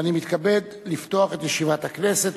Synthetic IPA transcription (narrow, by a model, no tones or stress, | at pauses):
animit̪kabe̞d | lift̪o̞aχe̞t̪jeʃivat̪hakne̞se̞t